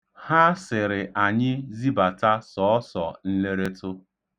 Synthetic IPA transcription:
ha˦sɪ˨ɾɪ˨ʔa˨ɲɪ˦zi˦ba˨ta˦sɔ˨ɔ˦sɔ˨n̩˦le˦ɾe˦tʊ˦

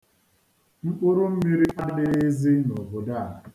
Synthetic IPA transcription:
ŋ͡m̩˦k͡pʊ˦ɾʊ˦m̩˦mi˦ɾi˦ʔa˦dɪ˦zi˦no˨bo˨da˦˨

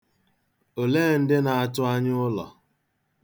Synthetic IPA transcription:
o˨leː˦˨n̩˦dɪ˦na˨a˦tʊ˦a˦ɲ˦ʊ˦lɔ̰˨

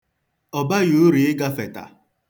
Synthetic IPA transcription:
ɔ˨ba˦ju˨˦ɾi˨ɪ˦ɡa˦fe˨ta̰˨

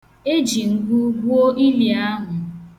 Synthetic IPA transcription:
e˦d͡ʒi˨ŋ̩˨ɡʷu˦ɡu˦o˦ʔi˦li˨a˦ɦʊ˨

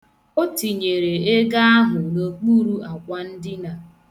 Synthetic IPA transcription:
o˦ti˨ɲe˨ɾe˨e˦ɡa˦a˦ɦʊ˨no˦k͡pu˦ɾu˦a˨kʷa˦n̩˦dɪ˦na˨

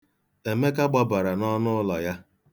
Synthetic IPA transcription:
e˨me˦ka˦ɡ͡ba˦ba˨ɾa˨nɔ˦nʊ˦lɔ˨ja˦

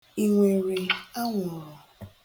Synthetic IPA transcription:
i˨ŋʷe˨ɾi˨a˦ŋʷɔ˨ɾɔ˨

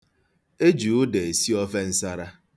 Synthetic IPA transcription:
e˦d͡ʒu˨ʊ˦de˨e˨si˦ɔ˦ve˦n̩˦sa˦ɾa˦

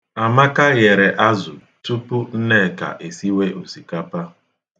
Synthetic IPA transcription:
a˨ma˦ka˦ɣe˨ɾe˨ʔa˦zʊ˨ | tu˦pu˦n̩˦ne˦˨ka̰˨ʔe˨si˦we˦ʔu˨si˨ka˦pa˦

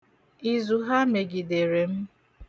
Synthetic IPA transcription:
i˨zu˨ɦa˦me˨ɡi˨de˨ɾe˨m̩˦

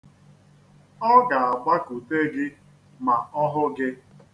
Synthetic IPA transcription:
ɔ˦ɡa˨a˨ɡ͡ba˦ku˨te˦ɡɪ˦ | ma˨ɔ˦ɦʊ˦ɡɪ˦

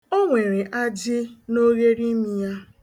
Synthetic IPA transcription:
o˦ŋʷe˨ɾe˨ʔa˦d͡ʒɪ˦no˦ɣe˦ɾi˦mi˦ja˦

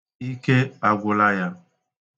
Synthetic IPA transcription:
i˦ke˦a˨ɡʷo˨la˦ja˨

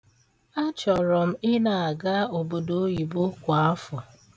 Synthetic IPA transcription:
a˦t͡ʃɔ˨ɾɔ˨m̩˦ɪ˦na˨a˨ɡa˦o˨bo˨do˦ji˨bo˦kʷa˨˦fɔ˨

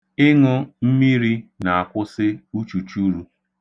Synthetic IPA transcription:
ɪ˦ŋʊ˦m̩˦mi˦ɾi˦na˨a˨kʷʊ˦sɪ˦u˦t͡ʃu˨t͡ʃu˦ɾu˦

